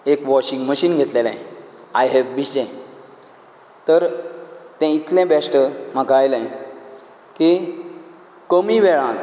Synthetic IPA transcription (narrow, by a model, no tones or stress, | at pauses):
ekʋɔɕiŋɡməɕiːnɡʱet̪lelãajɦɛʋːiɕẽ | t̪əɾt̪ɛ̃it̪lɛ̃basʈəm̤akaːjlã | ki | kəmiʋeɭãt̪